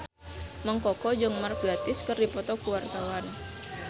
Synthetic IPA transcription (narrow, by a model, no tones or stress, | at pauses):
məŋkɔkɔd͡ʒəŋmark̚bat̪ɪskɨrdipɔt̪ɔkuwart̪awan